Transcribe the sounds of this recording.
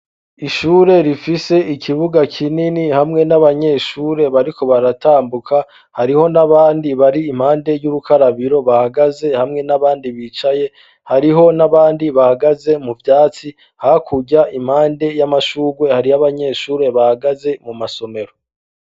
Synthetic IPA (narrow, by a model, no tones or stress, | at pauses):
iʃuːɾe̞ɾifise̞ikʰiβuɡakʰininihamŋe̞naβaɲe̞ʃuːɾe̞βaɾiko̞βaɾataːmbukʰa | haɾiho̞naβaːndiβaɾiːm̥haːnde̞juɾukʰaɾaβiɾo̞βahaɡaze̞hamŋe̞naβaːndiβit͡ʃaje̞ | haɾiɦo̞naβaːndiβahaɡaze̞muvjaːt͡si | hakʰuɟaʔim̥haːnde̞jamaʃuːɡwe̞haɾijaβaɲe̞ːʃuːɾe̞βahaɡaze̞mumaso̞me̞ɾo̞